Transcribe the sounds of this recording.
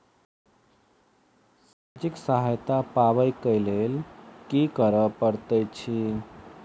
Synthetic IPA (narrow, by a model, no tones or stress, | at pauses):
sad͡ʒiksəɦajt̪apabəjkəjlelkikəɾəpəɾt̪əjt͡ʃʰi